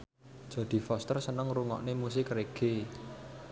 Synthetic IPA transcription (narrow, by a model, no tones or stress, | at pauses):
d̥ʒ̥ä̤d̪̥i̤fɔst̪ərsənəŋruŋɔ̰ʔnemusɪkreɡ̥e